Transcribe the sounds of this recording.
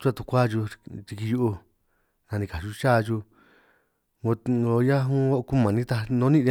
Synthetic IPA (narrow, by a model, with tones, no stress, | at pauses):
t͡ʃu˦a˦˧t̪u˧kʷa˦ʒu˧t̪i˧ki˧ju˧ʔu˧ | nã˧nĩ˧ka˨ʃu˧˦t͡ʃa˦˧ʒu˧ | ŋo˧o˧ja˦ɦũ˦a˦˧ku˦mã˨nĩ˦t̪a˧nõ˧˦nĩ˦˧˦